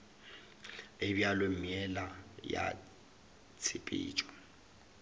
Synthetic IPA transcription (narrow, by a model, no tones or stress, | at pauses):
ebjalemiɛlaja̰ | t͡sʰɪpʼḭːt͡ʃʼɔ